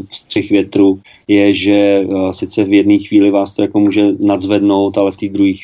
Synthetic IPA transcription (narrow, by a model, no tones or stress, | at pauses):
st̪r̝̥ɪxvjɛt̪ɾuː | jɛʒɛsɪt͡sɛvjɛdniːxviːlɪvaːst̪o̞jako̞muːʒɛnadzvɛdno̞wt̪alɛft̪iːd̪ɾuɦiːx